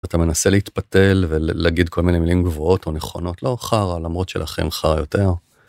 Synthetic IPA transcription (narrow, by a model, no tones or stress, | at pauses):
at̪ame̞naseleit̪pate̞lveleaɡid̚kʰo̞lminemilimɡvoo̞to̞neχo̞no̞tlo̞χaʁalamʁo̞tʃela̰χḛmχaʁajo̞te̞ʁ